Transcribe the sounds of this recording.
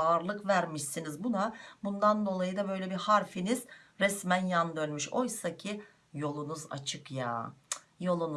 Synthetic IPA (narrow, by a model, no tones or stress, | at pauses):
aːɾlˠɯkvæɾmiʃsinizbunabund̪and̪o̞lˠajɯd̪abø̞jlʲɛbihaɾfiniz̥ɾɛsmænjand̪ønmyʃo̞jsacʰi | jo̞lˠunuza̰t͡ʃʰɯkja̰ː | jo̞lˠun